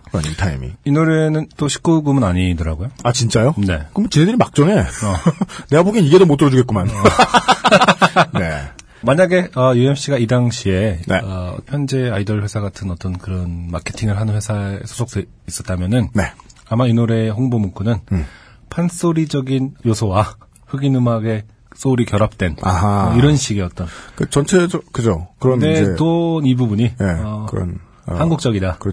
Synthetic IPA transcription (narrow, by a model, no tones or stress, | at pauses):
ka̰ɲitʰaḭmḭinoɾe̞nɯnt͈oɕʰi̥k͈uɡumɯnaɲidɯɾaɡojoat͡ɕint͡ɕ͈ajone̞̰kɯmt͡ɕinɦedɯɾimak̚t͡ɕ͈ʌŋe̞ʌneɡapoɡiniɡe̞domot͈ʰɯɾʌd͡ʑuɡe̞t̚k͈uman | ne̞̰ | maɲaɡe̞ʌjue̞pɕ͈iɡaidaŋɕʰie̞nḛʌɸjʌnd͡ʑe̞aidʌɭɸwe̞sʰaɡatʰɯnʌt͈ʌnkɯɾʌnma̰kʰe̞tʰiŋɯɭɦanɯnɸwesʰaḛsʰo̥sʰok̚s͈e | is͈ʌt͈̚amjʌnɯnneamainoɾe̞ɦoŋbomoŋkʰunɯn | pʰans͈oɾid͡ʑʌɡinjosʰowa | ɸɯɡinɯmaɡe̞ | s͈oɾikjʌɾap̚t͈we̞naiɾʌnɕ͈ʰiɡiʌt͈ʌnkɯt͡ɕʌnt͡ɕʰeokɯd͡ʑokɯɾʌndet͈onibubuɲineʌkɯɾʌ̰n | hanɡuk̚t͡ɕ͈ʌɡidakɯɾ